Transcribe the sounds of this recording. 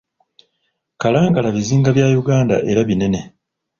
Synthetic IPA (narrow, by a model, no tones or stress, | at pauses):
kalaːŋɡalaβiziːŋɡaβjaːjuɡaːnda̰ʔe̞ɾaβine̞ne̞